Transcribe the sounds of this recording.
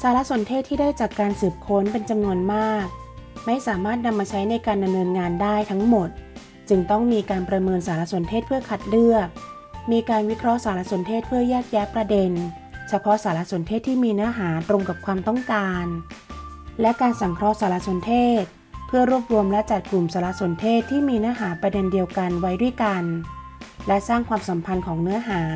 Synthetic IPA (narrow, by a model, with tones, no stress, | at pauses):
saː˨˦la˦˥ʔso˩˦nt̪ʰeː˥˩t̪ʰːiː˥˩daː˥˩jt͡ɕaː˨˩kːaː˧nsɯː˨˩p̚kʰo˦˥npe˧nt͡ɕa˧mnu˧ənmaː˥˩k̚ | ma˥˩jsaː˩˦maː˥˩t̪̚na˧mːaː˧t͡ɕʰa˦˥jna˧jkaː˧nda˧mnɤː˧nŋaː˧ndaː˥˩jt̪ʰa˦˥ŋmo˨˩t̪̚ | t͡ɕɯ˧ŋt̪ɔ˥˩ŋmiː˧kaː˧npɾa˧mɤː˧nsaː˩˦la˦˥so˩˦nt̪ʰeː˥˩t̪̚pʰɯ˥˩ɐkʰa˨˩t̪̚lɯ˥˩ək̚ | miː˧kaː˧nwi˦˥kʰɾɔ˦˥ʔsaː˩˦la˦˥so˩˦nt̪ʰeː˥˩t̪̚pʰɯ˥˩ɐjɛː˥˩k̚jɛː˦˥pɾa˧de˧n | t͡ɕʰa˧pʰɔ˦˥saː˩˦la˦˥so˨˩˦nt̪ʰeː˥˩t̪ʰːiː˥˩miː˧nɯ˦˥ɐɦaː˩˦t̪ɾo˧ŋka˨˩p̚kʰwaː˧mt̪ɔ˥˩ŋkaː˧n | lɛ˦˥kaː˧nsa˨˩˦ŋkʰɾɔ˦˥saː˩˦la˦˥so˨˩˦nt̪ʰeː˥˩t̪̚ | pʰɯ˥˩ɐɾu˥˩əp̚ɾu˧əmlɛ˦˥t͡ɕa˨˩t̪̚klu˨˩msaː˩˦la˦˥ʔso˩˦nt̪ʰeː˥˩t̪ʰːiː˥˩miː˧nɯ˦˥ɐɦaː˩˦pɾa˧de˧ndi˧əwka˧nwa˦˥jdu˥˩əjka˧n | lɛ˦˥ʔsaː˥˩ŋkʰwaː˧msa˨˩˦mpʰa˧nkʰɔː˩˦ŋnɯ˦˥ɐɦaː˩˦